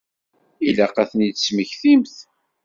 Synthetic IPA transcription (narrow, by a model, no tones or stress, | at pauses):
ilæqæθnid̪sməçθimθ